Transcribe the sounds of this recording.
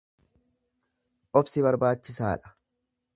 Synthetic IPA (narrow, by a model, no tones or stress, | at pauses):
ʔɔbsɪbɐɾbaːt͡ʃːɪsa̰ːᶑɐ̥